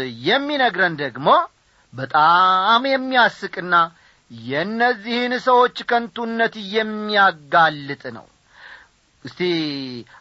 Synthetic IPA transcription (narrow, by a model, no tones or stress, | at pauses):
jɛmːinəɡɾənd̪əɡmo̞ | bət̪ʼamjɛmːiasɨkʼɨnːa | jɛɨnːəzːihɨnsəwo̞t͡ʃːkʰənt̪ʰunːət̪jɛmːiaɡalːɨt̪ʼnə̰w | ʔɨst̪ʰi